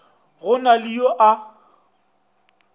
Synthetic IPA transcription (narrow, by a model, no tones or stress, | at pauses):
ɣʊnaliɔʔa